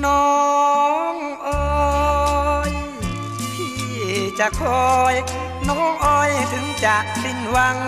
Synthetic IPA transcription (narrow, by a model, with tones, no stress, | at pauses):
nɔ˧˦˧ | ŋ | ʔɤː˧ | j | e˨˩t͡ɕa˨˩kʰɔ˧j | nɔː˦˥˩ŋʔɔː˧jt̪ʰɯ˨˦ŋt͡ɕa˨˩k̚si˧˩nwa˧ŋ